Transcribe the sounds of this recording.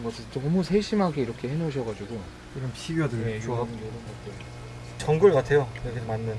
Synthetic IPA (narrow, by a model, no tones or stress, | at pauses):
nɡʌsʰɯɭʌmusʰe̞ɕ͈imɦaɡeiɾʌkʰe̞he̞noɕʰʌɡad͡ʑuɡu | iɾʌnpʰiɡjodɯeoabuneɾoat͈ʰe | t͡ɕʌŋɡuɭkatʰe̞joekʰesʰmanːɯn